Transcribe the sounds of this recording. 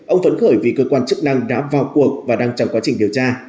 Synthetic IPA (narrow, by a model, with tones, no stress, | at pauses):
ʔə˧wŋ͡mvə˨˦nxəː˧˩jvi˨˩kəː˧kwaː˧nt͡ɕɨ˦˥k̚na˧ŋɗa̰ː˧˥vaː˨˩wku˨˩ək̚vaː˨˩ɗaː˧ŋt͡ɕɔ˧wŋ͡mkwaː˨˦t͡ɕï˨˩ŋ̟ɗi˨˩əwt͡ɕaː˧